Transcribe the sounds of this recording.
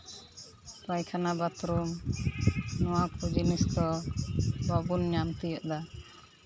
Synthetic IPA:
pajkʰanabat̪ɾum | nɔwakud͡ʒiniskɔ | babunɲamt̪ijɔʔd̪a

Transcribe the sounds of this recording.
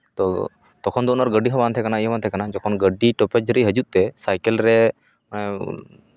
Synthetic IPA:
t̪ɔ | t̪ɔkʰɔnd̪ɔnɔɾɡəɖːiɦɔbant̪ʰɛkanaiɔwant̪ʰɛkanad͡ʒɔkʰɔnɡəɖiʈɔpɛd͡ʒɾeiɦəd͡ʒut̪̚t̪ɛsajkɛlɾɛ | ɛ

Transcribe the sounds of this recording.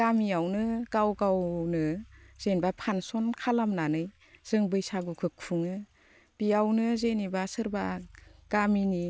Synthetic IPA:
ɡamiawnɯɡ̥awɡawnɯz̥enbapʰansɔnkʰalamnanɯj | z̥ɯŋbɯjsaɡukʰɯk̚ʰuŋɯ | b̥iawnɯzenibasɯɾbaɡ̥amini

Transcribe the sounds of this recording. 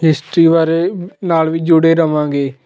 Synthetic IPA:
ɦɪsʈɾiːʋaːɾeːnaːlʋiːd͡ʒʊɽeːɾəʋãːɡeː

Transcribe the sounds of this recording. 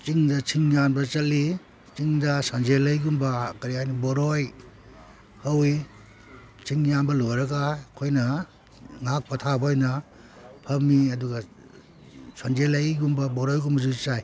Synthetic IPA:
t͡ʃiŋdɐt͡ʃʰiŋjanbɐt͡ʃɐli | t͡ʃiŋdɐsand͡ʒelɐjɡumbɐkɐɾijajniboɾoj | hɐwi | t͡ʃiŋjanbɐlojɾɐɡakʰojnɐ | ŋak̚pɐtʰabojnɐ | pʰɐmːiɐduɡɐ | sand͡ʒelɐjɡumbɐbɔɾojɡumbɐzut͡ʃaj

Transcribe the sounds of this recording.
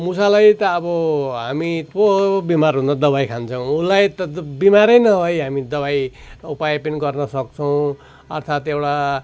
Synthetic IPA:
musalajt̪ʌːbʌɦamipobimarɦũnd̪ʌd̪ʌbajkʰant͡sʰʌw̃ulajt̪ʌbimaɾʌjnʌɦʌjɦamid̪ʌβajupajpinɡʌrnʌsʌk̚t͡sʰʌw̃ | ʌrt̪ʰat̪ewʈa

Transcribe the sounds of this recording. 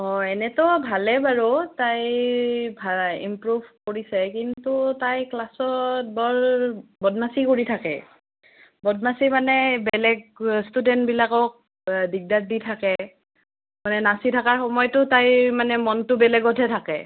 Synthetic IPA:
ɔɛnɛtɔbʱalɛbaɹɔtaj | bʱaḭmpɹubʱkoɹisɛkintutajklasɔbɔɹbɔd̚masikoɹitʰakɛ̰ | bɔd̚masimanɛbɛlɛɡ̚studɛntbilakɔk̚ | diɡ̚dat̚ditʰakɛ | manɛnasitʰakaɹxɔmɔjɔtʊtajmanɛmɔntʊbɛlɛɡɔtʰɛtʰakɛ̰

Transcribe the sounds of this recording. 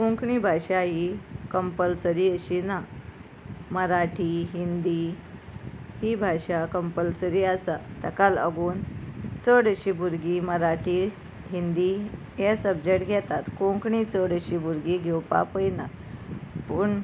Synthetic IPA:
kõŋkɳibʱaɕaɦikəmpəlsəɾiːəɕina | məɾaʈʰiɦind̪i | hibʱaɕakəmpəlsəɾiːasat̪əkalə̰ɡuːnt͡səɽəɕibʱuɾɡiməɾaʈʰi | ɦind̪i | jɛsəbd͡ʑeʈɡʱɛt̪at̪kõŋkɳit͡səɽəɕibʱuɾɡiɡʱɛwpa̰pəjnat̪ | pəːɳ

